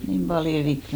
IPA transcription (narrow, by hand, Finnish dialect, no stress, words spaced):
niːm pɑljo rik